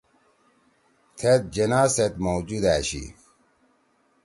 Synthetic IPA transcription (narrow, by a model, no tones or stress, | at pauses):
t̪ʰet̪̚d͡ʑenaːset̪mowd͡ʑud̪æːɕḭ